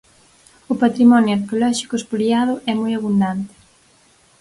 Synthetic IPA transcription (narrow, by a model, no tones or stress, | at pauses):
ʊpat̪ɾimɔnjoaɾkeolɔʃi̥kʊespoliaðʊʔɛmɔjaβund̪ant̪ɪ̥